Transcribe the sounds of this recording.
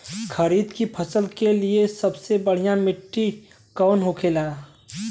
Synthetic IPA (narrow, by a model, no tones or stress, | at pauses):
kʰəɾiːd̪kipʰəsəlkeliesəbsebəɽ̤ijãmɪʈːi | kɔːnɦokʰela